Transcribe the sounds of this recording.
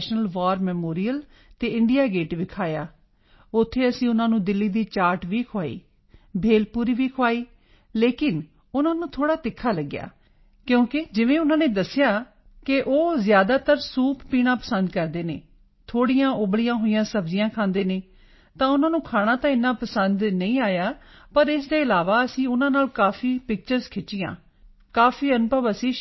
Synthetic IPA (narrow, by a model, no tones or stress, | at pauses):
ʃnəlʋaːɾmɛːmoːɾijəl | t̪eːɪ̃ɳɖɪjaːɡeːʈʋɪkʰaːjaː | ʊt̪ʰːeːəsĩːʊnãːnũːd̪ɪlːiːd̪iːt͡ʃaːɾʈʋiːkʰoaːḭː | bʱeːlpuːɾiːʋiːkʰoaːiː | leːkɪn | ʊnãːnũːt̪ʰoːɽaːt̪ɪkʰːaːləɡːja̰ː | kjõːkɪd͡ʒɪʋẽːʊnãːneːd̪əsːɪjaː | kɪʔoːzjaːd̪aːt̪əɾsuːppiːɽ̃ãːpəsənd̪kəɾd̪eːnḛː | t̪ʰoːɽijãːʔʊbɽijãːɦoːijãːsəbzɪjãːkʰãːnd̪eːneː | t̪ãːʊnãːnũːkʰaːɽ̃ãːt̪ãːɪnːãːpəsənd̪nəĩːaːjaːpəɾɪsd̪eːɪlaːʋaːəsĩːʊnãːnaːlkaːfiːpɪk̚t͡ʃəɾzkʰɪʈːijã̰ː | kaːfiːənpəbəsĩː